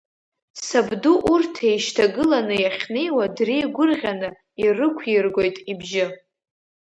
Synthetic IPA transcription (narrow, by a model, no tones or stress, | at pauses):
sabduʔurtʰe̞jʃtʰaɡɨlanɨjaχʲne̞jwadrijɡʷʊrʁʲanɨ | irɨkʷʰjɪrɡʷo̞jtʼibʒɪ